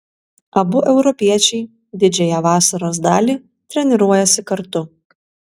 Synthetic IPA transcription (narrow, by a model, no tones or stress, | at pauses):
ɐbʊʔɛʊɾɔpʲiɛt͡ʃʲɛɪ | d̪ʲɪd͡ʒʲɛjɛʋɑːsɐɾoːsd̪ɑːlʲiː | t̪ʲɾʲɛnʲɪɾuɔjɛsʲɪkɐɾt̪ʊ